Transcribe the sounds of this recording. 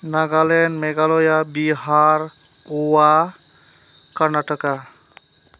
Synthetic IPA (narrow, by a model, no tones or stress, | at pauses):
naɡalenmeɡalojabiɦaɾ | owa | kəɾnaʈəka